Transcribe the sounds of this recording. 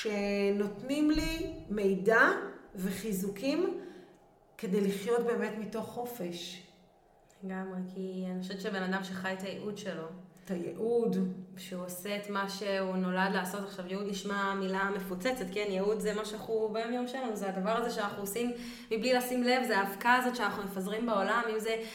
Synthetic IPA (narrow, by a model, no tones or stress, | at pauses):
ʃeno̞tnimlime̞jdave̞χizukʰim | ke̞de̞jliχjo̞tbe̞ːme̞tmito̞χːo̞fe̞ʃ | leɡamʁekianiχoʃevett͡ʃebe̞nadamʃeχajt̪ajeʔud̪ʃe̞lo̞tajḛʔud̪ʃeuoseːt̪maʃe̞uno̞ladleaːso̞taχʃavjeud̪niʃmamilame̞fut͡set͡set̚ke̞njeud̪zemaʃenaχubajomjomʃelnuzead̪avaʁazeʃeanaχnuosim | miblilasimle̞vzeaːfkaːzo̞t̪ʃeanaχnumefazʁimbeo̞lamimze̞